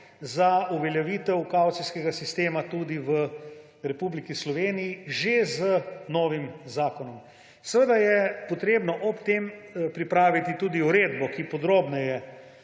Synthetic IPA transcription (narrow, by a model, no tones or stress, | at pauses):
zauʋɛljɛʋiːt̪ɛwkawt̪siskɛɡasist̪eːmat̪uːd̪iʋə | ɾɛpublikislɔʋeːnijiʒezənɔːʋimzaːkɔnɔm | səʋəd̪ajɛpɔt̪ɾeːbnɔʔɔpt̪eːmpɾipɾaːʋit̪it̪ud̪iuɾeːd̪bɔkipɔd̪ɾoːbnɛjɛ